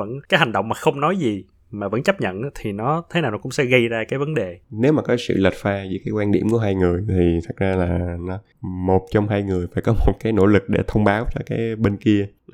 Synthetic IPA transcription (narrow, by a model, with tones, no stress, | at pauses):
və̰˧˥nkaː˨˦jha˨˩ŋ̟ɗə̰˧˨wŋ͡mmaː˨˩xə˧wŋ͡mnɔ˨˦jzi˨˩ | maː˨˩və̰˧˥nt͡ɕə˦˥p̚ɲə̰˧˨nʔːt̪ʰi˨˩nɔ˨˦t̪ʰe˨˦naː˨˩wnɔ˨˦kʊ̰˧˥ŋ͡msɛ̰˧˥ɣə˧jzaː˧kaː˨˦jvə˨˦nɗe˨˩ne˨˦wmaː˨˩kɔ˨˦sɨ̰˧˨lə˨˩t̚faː˧zɨ̰˧˥jkaː˨˦jkwaː˧nɗḭ˧˩əmku˧˩əɦaː˧jŋɨ˨˩əjt̪ʰi˨˩t̪ʰə˨˩k̚zaː˧laː˨˩nɔ˨˦ | mo˨˩t̚t͡ɕwŋ͡mɦaː˧jŋɨ˨˩əjfaː˧˥jkɔ˨˦mo˨˩t̚kaː˨˦jno̰˧˥lɨ˨˩k̚ɗḛ˧˩t̪ʰə˧wŋ͡mɓaː˨˦wt͡ɕɔ˧kaː˨˦jɓe˧nki˧ə